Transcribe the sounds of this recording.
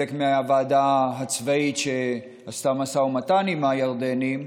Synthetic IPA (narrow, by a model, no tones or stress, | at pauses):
ekmeaavaːd̪aɦat͡svaitʃe | ast̪amasaumat̪animajaʁd̪enim